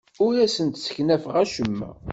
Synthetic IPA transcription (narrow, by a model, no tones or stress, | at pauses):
ʊɾæsənt̪sə̥çnæfəʁæʃəmːæ̰